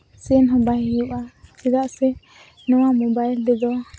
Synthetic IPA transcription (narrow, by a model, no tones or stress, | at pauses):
sɛnɦɔ̃bajɛjuʔasɛd̪aʔsɛ | nɔwamɔbaild̪ɛd̪ɔ